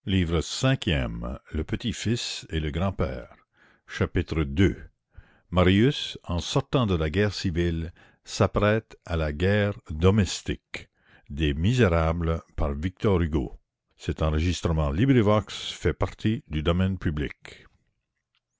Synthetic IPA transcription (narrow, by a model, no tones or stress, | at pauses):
liːvʁəsɛ̃kʲjɛ̰mləpət̪ifiseləɡʁɑ̃pɛ̰ːʁ | ʃapit̪ʁəd̪ø | maʁjysɑ̃sɔʁt̪ɑ̃d̪əlaɡɛːʁsivil | sapʁɛt̪alaɡɛːʁd̪ɔmɛst̪ḭk | d̪emizeʁabləpaʁvik̚t̪ɔʁyɡo̰ | sɛt̪ɑ̃ʁəʒist̪ɾəmɑ̃libʁivɔksfɛpaʁt̪ʰid̪yd̪ɔmɛnpʰyblḭk